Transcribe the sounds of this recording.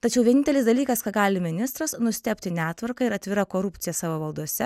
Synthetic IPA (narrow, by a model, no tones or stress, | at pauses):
t̪ɐt͡ʃʲɛʊʋʲiɛnʲɪnʲtʲɛlʲɪsd̪ɐlʲiːkɐskɐt̪ɡɑːlʲɪmʲɪnʲɪst̪ɾɐsnʊsʲt̪ʲɛpʲt̪ʲɪnʲæːt̪ʋɐɾkɐɪɾɐt̪ʲʋʲɪɾɐkoːɾʊpʲt̪ʲɪjɛsɑːʋoːʋɐlˠd̪uɔsʲɛ